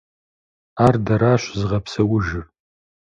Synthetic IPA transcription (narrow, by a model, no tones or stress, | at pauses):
aːrdɐɾaːɕʷzɨʁɐpʰsɐwʊʒɨr